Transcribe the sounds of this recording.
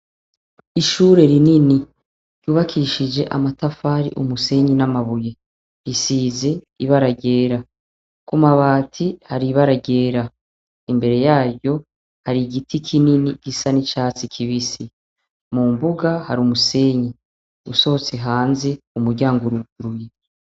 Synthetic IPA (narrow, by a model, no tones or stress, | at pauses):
iʃuɾe̞ɾinini | ɾjuːβakʰiʃid͡ʒe̞̰ʔa̰matafaːɾḭʔumuse̞ɲinamaβuje̞ | ɾisiːze̞ | iβaɾaɟe̞ːɾa | kumaβaːtʰihaɾiβaɾaɟe̞ːɾa | imbe̞ɾe̞jaːβjo̞ | haɾiɡitʰikʰininiɡ̥isanit͡ʃaːt͡sikʰiβisi | mumbuɡahaɾumuse̞ːɲi | ṵso̞hot͡seɦaːnze | umuɾɟaːŋɡoɾuɡuɾuje̞